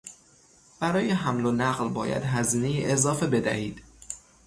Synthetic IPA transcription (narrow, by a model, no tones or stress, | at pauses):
b̥æɾɒːjeɦæmlonæɢlbɒ̰ːjæ̰d̪ɦæziːne̞jiʔezɒːfe̞be̞d̪æ̰hiːd̪̥